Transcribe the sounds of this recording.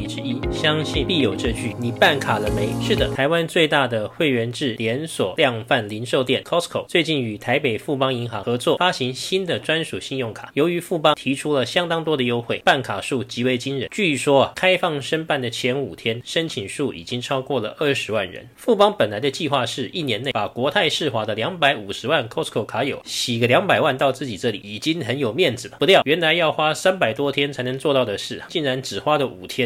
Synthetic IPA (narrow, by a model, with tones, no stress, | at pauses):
ʈ͡ʂɻ̩˥i˥ɕjɑ˥ŋɕi˥˧npi˥˩jo˨˩ʊʈ͡ʂɤ˥˧t͡ɕy˥˩ni˨˩pa˥˩nkʰa˨˩lə˨˦me˧˥ɪʂɻ̩˥˩d̪ə˩t̪ʰa˧˥ɪwa˦˥nt͡swe˥˧ɪt̪a˥˩d̪ə˩xwe˥˩ɪɥɛ˧˥nʈ͡ʂɻ̩˥˩ljɛ˧˥nswɔ˨˩ljɑ˥˧ŋfa˥˩nli˧˥nʂo˥˧ʊt̪jɛ˥˩nkʰɔ˥skʰo˨˩ʊt͡swe˥˧ɪt͡ɕi˥˩ny˧˥t̪ʰa˧˥ɪpe˨˩ɪfu˥˩pɑ˥ŋi˧˥ŋxɑ˧˥ŋxɤ˧˥t͡swɔ˥˩fa˥ɕi˧˥ŋɕi˥nd̪ə˨ʈ͡ʂwa˥nʂu˨˩ɕi˥˧njʊ˥˩ŋkʰa̰˨˩˦jo˧˥ʊy˧˥fu˥˩pɑ˥ŋt̪ʰi˧˥ʈ͡ʂʰu˥lə˨ɕjɑ˥ŋt̪ɑ˥ŋt̪wɔ˥d̪ə˨jo˥ʊxwe˥˩ɪpa˥˩nkʰa˨˩ʂu˥˩t͡ɕi˧˥we˥˩ɪt͡ɕi˥nɻə̰˧˦nt͡ɕy˥˩ʂwɔ˥kʰa˥ɪfɑ˥˩ŋʂə˥npa˥˩nd̪ə˩t͡ɕʰjɛ˧˥nu˨˩t̪ʰjɛ˥nʂə˥nt͡ɕʰi˨˩nʂu˥˩ʔḭ˨˩t͡ɕi˥ŋʈ͡ʂʰɑ˥ʊkwɔ˥˩lə̰˩ʔə˥˩ʂɻ̩˧˥wa˥˩nɻə̰˧˦nfu˥˩pɑ˥ŋpə˨˩nla˧˥ɪd̪ə˧t͡ɕi˥˧xwa˥˧ʂɻ̩˥˧i˥˩njɛ˧˥ne˥˩pa˨˩kwɔ˧˥t̪ʰa˥˧ɪʂɻ̩˥˩xwa˧˥d̪ə˨ljɑ˧˥ŋpa˧˥ɪu˨˩ʂɻ̩˧˥wa˥˩nkʰo˥skʰo˥˩ʊkʰa˧˥jo̰˨˩ʊɕi˨˩ɡə˧˦ljɑ˧˥ŋpa˨˩ɪwa˥˧nt̪ɑ˥˧ʊt͡sɹ̩˥˩t͡ɕi˨˩ʈ͡ʂɤ˥˩lḭ˨˩i˨˩t͡ɕi˥ŋxə˧˥njo˨˩ʊmjɛ˥˩nd͡zɹ̩˨˩lə˦pu˧t̪jɑ˥˩ʊɥɛ˧˥nla˧˥ɪjɑ˥˩ʊxwa˥sa˥npa˨˩ɪt̪wɔ˥t̪ʰjɛ˥nt͡sʰa˧˥ɪnɤ˧˥ŋt͡swɔ˥˧t̪ɑ˥˩ʊd̪ə˩ʂɻ̩˥˩t͡ɕi˥˩ŋɻa˧˥nʈ͡ʂɻ̩˨˩xwa˥də˨ʔṵ˨˩t̪ʰjɛ˥n